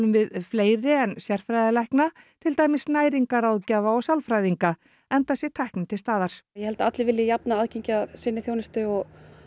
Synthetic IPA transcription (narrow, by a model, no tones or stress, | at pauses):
lʏmvɪðfleːjɾɪɛnsjɛr̥fɾajðalɛjhkna | t̪ʰɪlt̪aːjmɪsnaːjɾiŋkaɾawðcaːvaɔɣsjawlfɾajðiŋka | ɛnt̪asjɛt̪ʰajhknɪt̪ʰɪlst̪aːðaɾ̥jɛhɛlt̪aat̪lɪvɪlːjɪjap̚naaːðcʰeɲcɪaðsɪnːɪθjownɪst̪ʏɔɣ